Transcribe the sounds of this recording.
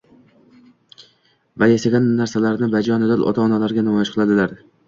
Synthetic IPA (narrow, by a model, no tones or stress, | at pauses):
vajasaɡʲanːaɾsalaɾnɪbad͡ʒɒnɪd̪anʔɒ̰t̪ʰaɒnalaɾɡʲanamɒjaʃqʰɨlˠad̪ɪlaɾ